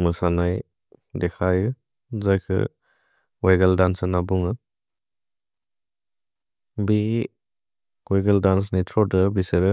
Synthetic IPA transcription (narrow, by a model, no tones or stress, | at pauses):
mɯsanaj | dekʰajɯ | zajkʰɯ̰ | wajɡaldansanabuŋɯ | bi | ɡɔjɡeldans̬nitʰɾɔdɯbisɯɾɯ